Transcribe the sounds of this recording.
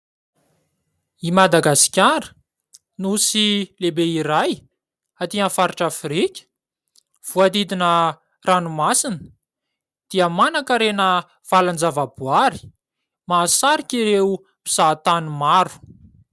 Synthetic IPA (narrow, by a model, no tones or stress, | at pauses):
imad̪aɡasi̥kʲaɾə̥ | nusilebeiɾaj | at̪iãfaɾiʈ͡ʂafɾikʲə̥ | v̥uad̪id̪inə | ranumasinə̥ | d̪̥iəmanakəɾenə | v̥aland͡zavabuaɾi̥ | maːsaɾikʲiɾeu | bi̥z̥at̪anumaɾu̥